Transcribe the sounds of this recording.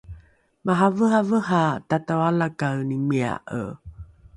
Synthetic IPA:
maɦavəɦavəɦatatawalakawnimia̰ʔə̰

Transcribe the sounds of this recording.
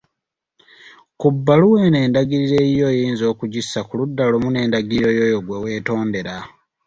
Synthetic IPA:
kubːaluwe̞ːne̞ːndaɡiɾiɾe̞jo̞ːjiːnzo̞ːkuɟisːakuludːalomune̞ːndaɡiiɾo̞joːjoɡwewe̞ːto̞ːnde̞ɾa

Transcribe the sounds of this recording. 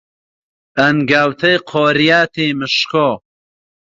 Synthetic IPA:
ɐnɡawt̪ʰɐjqʰoːɾijaːt̪ʰemɨʃkʰo

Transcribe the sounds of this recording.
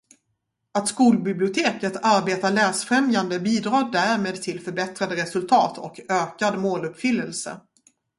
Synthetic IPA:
at̪skuːlbɪblɪʊt̪ʰeːkət̪ʰaɾbeːt̪aɭæːsfɾɛmjand̪əbiːd̪ɾɑːd̪æɾmeːd̪t̪ʰɪlfœɾbɛt̪ɾad̪əɾɛsɵlt̪ʰɑːt̪ʰɔ̰køːkad̪moːlɵpfʏlːəlsə̰

